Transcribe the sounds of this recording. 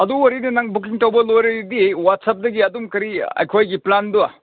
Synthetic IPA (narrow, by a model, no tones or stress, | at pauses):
ɐduwɐɾinɐnaŋbukiŋtɐwbɐlojɾɐɾidiwat̚sɐp̚dɐɡiɐdumkɐɾiɐ̰jkʰojɡiplandua̰